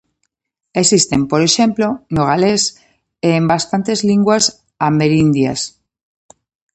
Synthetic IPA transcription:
e̞sist̪e̞mpo̞ɾeʃe̞mplonoɣales | eːmbast̪ant̪e̞zliŋɡwas | ameɾind̪ja̰s

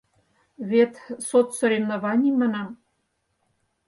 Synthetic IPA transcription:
βet̪sot̪sŏɾemnovɑnʲimənɑm

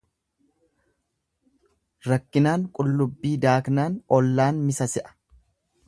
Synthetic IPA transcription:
ɾɐkːɪnaːŋkʼʊlːʊbːiːd̪aːknaːnɔlːaːnmɪsɐsɪʔɐ̥

